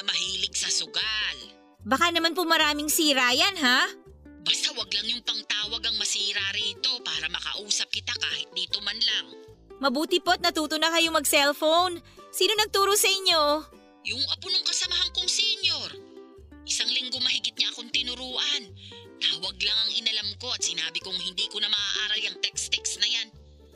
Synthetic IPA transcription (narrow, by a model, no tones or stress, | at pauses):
ɐmɐhiːlɪɡsɐsʊɡal | bɐkanɐmanp̬omɐɾaːmɪŋsiːɾaːjanɦabast̪awɐɡlaŋjʊŋpɐŋt̪aːwɐɡɐŋmɐsiːɾaɾiːt̪o̞paːɾɐmɐkɐ̰ʔuːsɐp̚kɪt̪akaːhɪt̪̚d̪iːt̪o̞mɐnlaŋmɐbuːt̪ɪpot̪̚nɐt̪uːt̪onɐkɐjoŋmɐɡsɛlfownsiːno̞nɐɡ̚t̪uːɾosɐʔɪɲːo̞ | jʊŋʔɐpʊnʊŋkɐsɐmɐɦaŋkʊŋsɛɲoɾ | ʔɪsaŋlɪŋɡomɐɦɪɡɪt̪̚ɲakoŋt̪ɪnʊɾuːʔɐnnaːwɐɡ̚laŋɐŋɪnɐlamko̞ɐt̪̚sɪnaːbɪkʊŋhɪnd̪iːkonɐmɐʔaːʔaːɾɐlɐŋt̪ɛkst̪ɛksnɐjan